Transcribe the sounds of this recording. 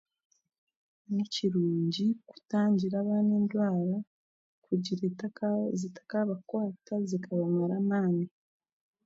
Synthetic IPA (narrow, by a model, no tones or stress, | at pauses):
muciɾuːɲɟiku̥taːɲɟiɾaːβaːneːndwaːɾa | kuɟiɾeazitḁkaβakwaːtazikʰaβamaɾamaːni